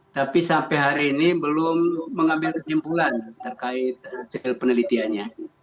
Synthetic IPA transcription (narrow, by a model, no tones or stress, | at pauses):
t̪apisampɛjɦaɾiːnibəlʊmːəŋambɪlrəsimpulant̪ərkaɪt̪̚silpənəlit̪ianɲa